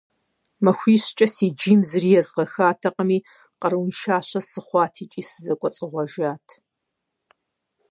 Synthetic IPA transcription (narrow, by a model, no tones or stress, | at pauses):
mɐxʷiːɕt͡ʃʼɐsiːd͡ʒiːmzɨrijɛzʁɐxaːtʰɐqəmiː | qɐɾɨwnʃaːɕɐsɨχʷɑːtʰiːt͡ʃʼiːsɨzɐkʷʼɔt͡sʼɪʁʷɔʒaːtʰ